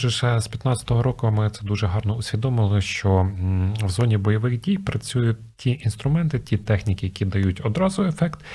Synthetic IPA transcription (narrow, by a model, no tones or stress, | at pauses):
ʒɪʃɛspʲjɐt̪nɑt͡sʲɐ̥t̪ɔɦɔɾɔkʊmɪt̪sɛd̪uʒɛɦɑrnɔʊsʲʋʲid̪ɔmɪlˠɪʃt͡ʃɔ | wzɔnʲibɔjɔʋɪɣdʲijpɾɐt͡sʲujʊtʲtʲiʔinst̪ɾʊmɛnt̪ɪtʲit̪ɛxnʲikɪjɐkʲid̪ɐjutʲɔd̪ɾɑzʊefɛkt̪